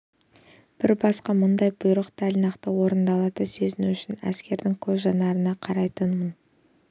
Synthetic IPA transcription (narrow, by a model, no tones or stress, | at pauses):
b̥ɪɾbɑsqɑmʊnd̪ɑjbʊjɾəqt̪ælʲnɑqt̪əwo̞ɾənd̪ɑlˠɑt̪əsezɪnuʏʃɪnæ̰skʲe̞ɾd̪ɪŋkʲʰɵzʒɑnɑɾənɑqʰɑɾɑjt̪ənmən